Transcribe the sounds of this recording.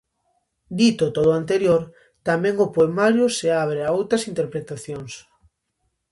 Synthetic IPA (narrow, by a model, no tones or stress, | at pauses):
d̪it̪ot̪oðoant̪eɾjoɾ | t̪amɛ̃ŋopoemaɾjoseaβ̞ɾeaowt̪ɾɐsint̪eɾpɾet̪aθjoŋs